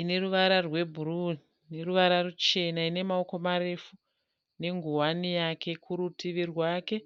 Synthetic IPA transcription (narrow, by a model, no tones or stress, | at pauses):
ine̞ruʋaɾarwe̞bʱuruni | neruʋaɾarut͡ʃe̞naine̞mao̞ko̞maɾe̞fu | ne̞ŋɡuwanijakʰe̞kʰuɾutiʋirwaːke̞